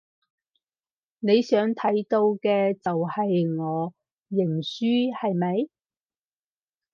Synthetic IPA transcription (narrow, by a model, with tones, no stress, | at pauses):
ne˨˧jsœː˨˥ŋt̪ʰɐ˨˥jt̪o˧wkɛː˧t͡sɐ˨whɐ˨jŋɔː˨˧ | jɪ˨˩ŋsyː˥hɐ˨jmɐ˨˧j